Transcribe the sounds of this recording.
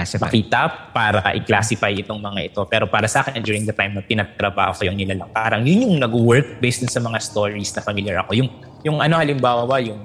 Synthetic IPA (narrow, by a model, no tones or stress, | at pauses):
mɐkiːt̪ɐpaːɾɐkɐ̰ʔɪklaːsɪfajɪt̪oŋmɐŋaʔɪt̪o̞pɛːɾo̞paːɾɐsɐʔaːkɛnɐnd͡ʒuːɹɪŋd̪ɐt̪ajmnɐp̪ɪnɐt̪ɾɐba̰ːhokɐjʊŋnɪlalɐŋpaːɾɐŋjʊnjʊŋnɐɡwɛɹk̚bɛjsd̪ʊnsɐmɐŋast̪o̞ːɹisnɐfɐmiljɐɹʔɐko̞jʊŋ | jʊŋɐno̞hɐlɪmbaːwɐwɐjʊŋ